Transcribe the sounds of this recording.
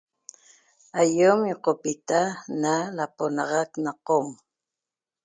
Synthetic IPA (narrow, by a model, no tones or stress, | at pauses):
ajomjoqopit̪analaponɑʁɑknɑqom